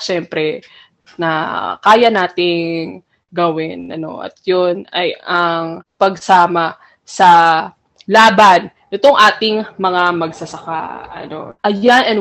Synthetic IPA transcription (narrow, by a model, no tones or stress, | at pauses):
ʃɛmpɾɛ | nɐ̰kaːjɐnaːt̪ɪŋ | ɡɐwɪnʔɐ̰no̞̰ʔɐ̰t̪̚jonɐjɐŋpɐɡ̚saːmɐ | sɐ | laːbɐnːɪt̪oŋʔaːt̪ɪŋmɐŋamɐɡsɐsɐka̰ɐ̰no̞̰ʔɐjanɛn